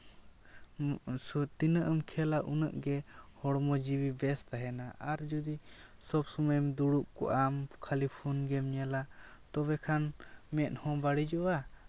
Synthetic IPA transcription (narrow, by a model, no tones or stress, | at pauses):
sɔt̪inəʔəmkʰɛlaʔunəʔɡɛhɔɽmɔd͡ʒiwibɛst̪aɦɛnaʔaɾd͡ʒɔd̪isɔbsɔmamd̪uɽuʔ̚kɔ̰ʔamkʰalipʰunɡɛmɲalat̪ɔβɛkʰanmɛt̪̚ˀhɔ̃baɽid͡ʒɔʔa